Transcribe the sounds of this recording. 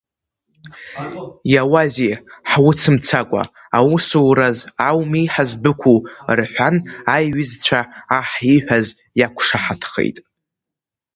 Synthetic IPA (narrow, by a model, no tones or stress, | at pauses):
jawaziħwʊt͡sʰɨmt͡sʰakʷʼa̰ | awusuwɾazawmijħazbɨkʷʰurħʷanajɥɪzt͡ɕʷʰaːħiħʷᶣaz | jakʷʰʂaħatʰχḛjtʼ